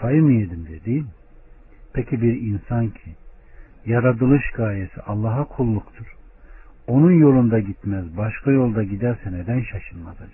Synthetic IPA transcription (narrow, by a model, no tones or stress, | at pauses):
fajɯmijed̪imd̪ɛd̪ejilʲ | pʰecʰibiɾinsancʰi | jaɾad̪ɯlˠɯʃɡaːilesḭʔɑlˠːaːɦakʰulˠːukt̪ʰuɾ̥ | o̞nunjo̞lˠund̪aɟit̪mæzbaʃkʰajo̞lˠd̪aɟid̪æɾsɛned̪ænʃaʃɯnmaza